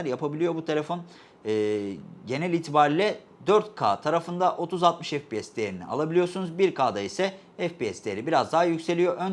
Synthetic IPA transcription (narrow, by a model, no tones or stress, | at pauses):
æɾjapabilʲijo̞but̪ʰe̞lʲe̞fo̞nː | ɟe̞nɛlʲiːt̪ʰibaːɾilʲɛ | d̪øɾt̪kʰa̰ːt̪ʰaɾafɯnd̪aʔo̞t̪ʰuzalt̪mɯʃɛfpiɛsd̪ejeɾinḭa̰lˠabilʲijoɾsunuzbiɾkʰaːd̪aisɛ | ɛfpiɛsd̪ejeɾibiɾazd̪aɦajycse̞lʲijo̞ʔøn